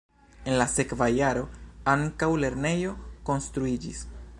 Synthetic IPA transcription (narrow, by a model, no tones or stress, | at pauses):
e̞nlase̞kvajaɾo̞aŋkawle̞ɾne̞jo̞ko̞nstɾuid͡ʒis